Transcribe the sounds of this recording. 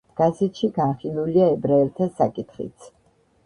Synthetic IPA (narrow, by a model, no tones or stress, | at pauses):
ɡ̥asit̪ʃiɡanχilˠuliaɛbɾaɛɾt̪ʰasːa̰kʼit̪ʰχḭt̪sʰ